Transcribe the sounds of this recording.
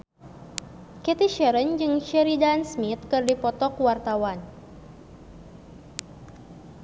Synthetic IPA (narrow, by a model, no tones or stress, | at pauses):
kɛt̪iʃɛɾənd͡ʒɨŋʃɛɾidansmit̪̚kɨrdipɔt̪ɔkwart̪awan